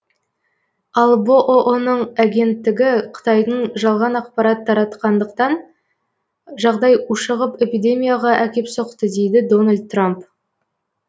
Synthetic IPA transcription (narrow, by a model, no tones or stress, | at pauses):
ɑlˠboʔoʔonəɴaɡʲe̞nt̪ːɪɡʲɪqʰə̥t̪ɑjd̪əɴʒɑlˠʁɑnɑqpɑɾɑt̪ʰːɑɾɑt̪qɑnd̪əqt̪ɑn | ʒɑʁd̪ɑjuʃəʁəpe̞pid̪e̞mʲijaʁɑʔækʲe̞pso̞qt̪əd̪e̞jd̪ɪd̪o̞nalʲd̪̚t̪ramp